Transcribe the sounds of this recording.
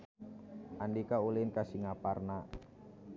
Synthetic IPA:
ʔandikaulinkasiŋaparna

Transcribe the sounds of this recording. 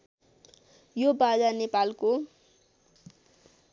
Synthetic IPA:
jobad͡zanepalko

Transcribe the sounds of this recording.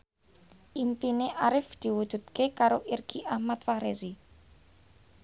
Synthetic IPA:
ʔimpineʔaɾɪfd̪̥i̤wud̪̥ṳt̪kekaɾoʔirɡ̥iʔahmat̪fahɾezi

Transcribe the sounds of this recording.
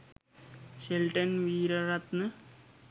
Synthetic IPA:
ɕelʈɐnʋiːɾɐrɐt̪nɨ

